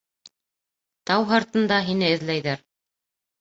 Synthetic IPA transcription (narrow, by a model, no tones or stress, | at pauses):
t̪ɑwɦɑɾt̪ɤ̆nd̪ɑɦin̪ɘɘ̆ðlæjðæɾ